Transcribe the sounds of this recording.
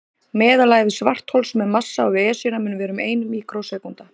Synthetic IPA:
mɛːðalaːɣvɪsvar̥t̪holsmɛðmasːaawvɛːsinamʏnːʏvɛːɾʏmeːjnmiːkɾowsɛːkunt̪a

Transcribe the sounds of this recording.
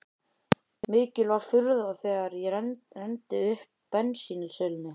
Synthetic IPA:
mɪːcɪlvaɾ̥fʏɾðaθɛːɣaɾjɛɾrɛnt̪ɪʏhpːɛnsinlsœːlɪnːɪ

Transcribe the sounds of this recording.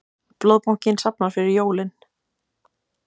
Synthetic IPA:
ploːðpawɲ̥cɪnsapnaɾ̥fɪɾɪɾjoːwlɪn

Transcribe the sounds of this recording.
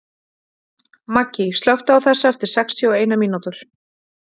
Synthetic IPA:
macːist̪lœwht̪aawθɛsːaɛft̪ɪɾ̥sɛkst̪ʰjɔɔeːjnamiːnut̪ʏɾ̥

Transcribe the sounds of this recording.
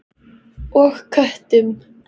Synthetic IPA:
ɔxkʰœht̪ɪm

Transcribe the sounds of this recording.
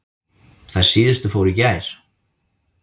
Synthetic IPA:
θað̥siːðʏst̪ʏfoːwɾicaːjɾ̥

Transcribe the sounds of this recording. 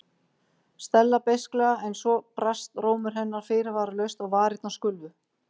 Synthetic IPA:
st̪ɛlːapejsklɛɣaɛnsvɔpɾast̪roːwmʏɾ̥ɦɛnːaɾ̥fɪːɾɪvaːɾalœɥst̪aɣvaːɾɪt̪naskʏlvʏ

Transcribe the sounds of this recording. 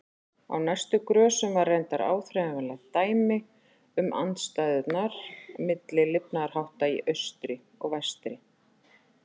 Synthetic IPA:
a̰wnajst̪ʏkɾœːsʏmvarːejnt̪aɾa̰ːwθɾɛmavɛnlaɣt̪aːjmɪ | ʏmʔa̰nt̪st̪aːjðʏt̪naɾ̥mɪt̪lɪlɪpnaɾ̥hawht̪aiʔœɥst̪ɾɪ | ɔɣvajst̪ɾɪ

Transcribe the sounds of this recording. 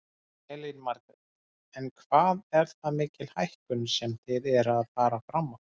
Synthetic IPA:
ɛlinmaɾkɪ | ɛnkʰvaːðɛɾθamɪːcɪl̥hajhkʏnsɛmθɪðɛɾaðfaːɾafɾamːa

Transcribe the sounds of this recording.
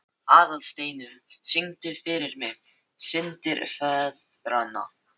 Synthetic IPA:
aːðalst̪eːjnʏmsɪŋt̪ʏɾfɪɾɪɾmɪ | sɪnt̪ɪɾfɛ | ɾana̰

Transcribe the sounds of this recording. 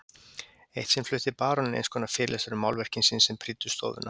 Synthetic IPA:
ejht̪sɛmflʏːht̪ɪpaːɾɔnɪnḛjnskʰɔnafɪːɾɪlʔɛsaɾʏmːawlvɛr̥cɪnsɪnsɛmpʰɾit̪ʏ̥st̪ɔ̰ːvʏ̰na

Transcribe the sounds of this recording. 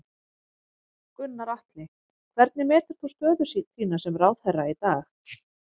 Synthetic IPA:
kʏnːaɾaht̪lɪ | kʰvɛɾt̪nɪmɛːɾt̪ɛɾ̥θust̪œːðʏsit̪iːnasɛmraːwð̥θɛrːait̪aːx

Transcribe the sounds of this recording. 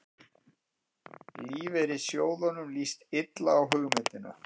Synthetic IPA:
liːvɛɾɪsjoːwðɔnʏmlist̪ɪt̪laːwɦʏɣmɪːt̪ɪnʏ̰

